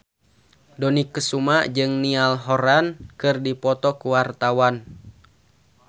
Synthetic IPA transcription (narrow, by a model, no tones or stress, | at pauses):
dɔnikːəsumaʔd͡ʒɨŋnialɦɔɾankɨrdipɔt̪ɔkuwart̪awan